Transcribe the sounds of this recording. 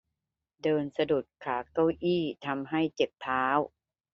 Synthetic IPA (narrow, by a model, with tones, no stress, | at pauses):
dɤː˧nsa˧du˨˩t̪̚kʰaː˩˦ka˥˩wʔiː˥˩t̪ʰa˧mɦa˥˩jt͡ɕe˨˩k̚t̪ʰaː˦˥w